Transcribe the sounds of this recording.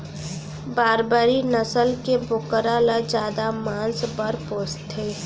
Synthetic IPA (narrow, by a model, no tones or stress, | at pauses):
baːɾbaːɾinəsəlkebokəɾalad͡ʒjaːd̪amãːnsbəɾpoːst̪ɦeː